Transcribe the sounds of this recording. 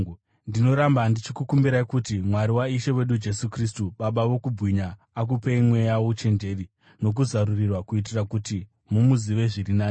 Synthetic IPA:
ndino̞ɾambandit͡ʃikukumbiɾaikutimwaɾiwaiʃe̞we̞ɗud͡ʒe̞sukristuɓaɓaʋo̞kubwiɲaː | k̬upeimwe̞jawot͡ʃe̞nde̞ri | no̞k̬uzaɾurirwakuit̬irakuti | mumuziʋe̞ʐirinaː

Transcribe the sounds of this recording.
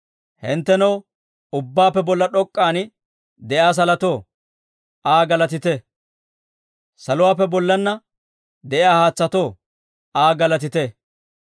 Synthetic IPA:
hɛnt̪ːɛnɐw | ʊbːaːpːɛbɔlːɐɗɔkʼːaːnɪ | d̪ɛʔjaːs̬ɐlɐt̪oː | ʔaːɡɐlɐt̪ɪt̪ɛ | sɐlʊwaːpːɛbɔlːɐnːɐ | d̪ɛʔɪaːhaːt͡sːɐt̪o̞ː | ʔaːɡɐlɐt̪ɪt̪ɛ

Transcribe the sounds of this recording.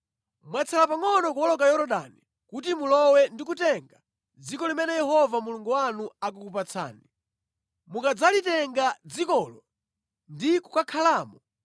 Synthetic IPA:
mwat͡sʰɛlapaŋɔnɔk̬uwɔlɔkajɔɾɔɗa̰ni | kut̬imulɔwɛndikutɛŋɡa | d͡zikɔlimɛnɛjɛɦɔvamuluŋɡuwanuak̬ukup̬at͡sʰa̰ːni | mukad͡zalitɛŋɡad͡zikɔlɔ | ndiku̥kakʰalaːmɔ

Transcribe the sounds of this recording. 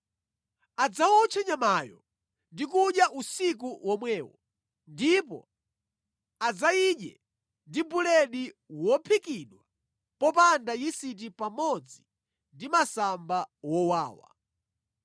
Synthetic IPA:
ad͡zawɔt͡ʃʰɛɲamaːjɔ̰ | ndikuɗjaʔusik̬uwɔmwɛːwɔ̰ | ndipɔ̰ | ad͡zaiɗjɛ̰ | ndibulɛɗiwɔpʰikiɗwa | pɔpandajisit̬ipamɔd͡zi | ndimasambawɔwaːwa̰

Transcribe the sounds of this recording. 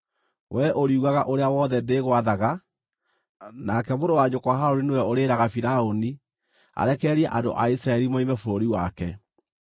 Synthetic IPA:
wʔɛʔoɾiuɣaɣaʔoɾeawɔðɛndeɣwaðaɣa | nakɛmodowaɲokwaɦaɾoɾinewɛoɾeːɾaɣafiɾaoni | a̰ɾɛkɛɾiɛʔando̰ʔa̰isɾaɛɾimoimɛfoɾoɾiwakɛ

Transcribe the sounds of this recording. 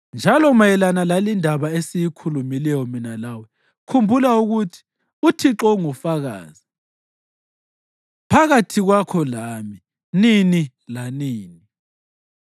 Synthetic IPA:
nd͡ʒʱalɔmajɛlanalalindʱaβaesijikʰulumilɛjɔminalawɛ | kʰumbʱulauɣutʰi̥ | utʰiǁɔŋufaɣa̰ːzi | pʰaɣatʰiɣwakʰɔlaːmi | nini | laniːni

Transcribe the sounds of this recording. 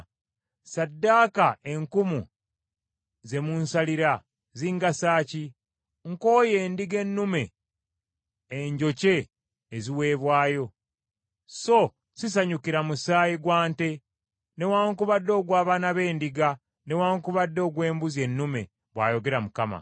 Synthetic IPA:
sadːaːkae̞ŋkumu | ze̞munsaliɾa | ziːŋɡasaːci | ŋko̞ːje̞ːndiɡe̞nːume̞ | ɲɟo̞ce̞ː | ziwe̞ːβwaːjo̞ | so̞ | sis̬aɲukiɾamusaːjiɡwaːnte̞ | ne̞waːŋkuβadːo̞ːɡwaːβaːnaβe̞ːndiɡa | ne̞waːŋkuβadːo̞ːɡwe̞ːmbuzje̞nːume̞̰ | βwa̰ːjo̞ɡe̞ɾamukama̰

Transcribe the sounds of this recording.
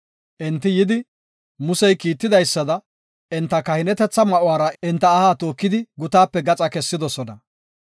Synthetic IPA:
ʔɛnt̪ːɪjɪd̪ɪ | mʊsɛjkiːt̪ːɪd̪ɐjsːɐd̪ɐ | ɪnt̪ːɐkɐhɪnɛt̪ɛt͡sːɐmɐʔʊwaːɾɐɪnt̪ːɐːhaːt̪o̞ːkːɪd̪ɪɡʊt̪aːpːɛɡɐt͡sʼɐkɛsːɪd̪ɔsɔnɐ

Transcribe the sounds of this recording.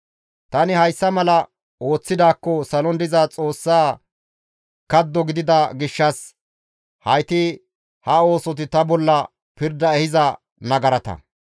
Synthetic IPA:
t̪ɐnɪhɐjsːɐmɐlɐ | o̞ːt͡sːɪd̪aːkːɔsɐlɔnd̪ɪzaːt͡sʼo̞ːsːaː | kɐd̪ːɔɡɪd̪ɪd̪ɐɡɪʃːɐs | hɐjt̪ɪ | hɐo̞ːsɔt̪̬ɪt̪ɐbɔlːɐ | pɪɾd̪ɐɛhɪzɐ | nɐɡɐɾɐt̪ɐ̰

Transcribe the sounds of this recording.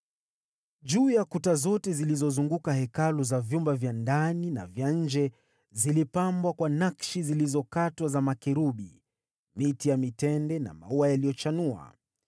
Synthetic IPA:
ʄuːjakutazɔtɛzilizɔzuŋɡukahɛkaluzavjumbavjandanina̰vjaɲ̩d͡ʒɛ | zilipambwakwanakʃizilizɔkatwazamakɛɾuɓi | mitijamitɛndɛna̰ma̰uajalijɔt͡ʃanua̰

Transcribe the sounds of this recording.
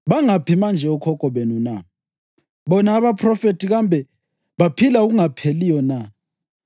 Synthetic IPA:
βaŋapimand͡ʒʱɛɔkʰɔkʼɔβenuna | βɔnaːβapʰrɔfetʰiɣambʱɛ | βapʰilauɣuŋapʰelijɔna

